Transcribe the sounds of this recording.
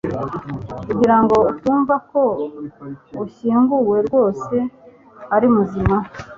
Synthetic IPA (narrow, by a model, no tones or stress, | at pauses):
kuɟiɾaŋɡo̞utuːɱvako̞ | uçiːŋɡuwe̞ɾɡwo̞ːse̞ | haɾimuzima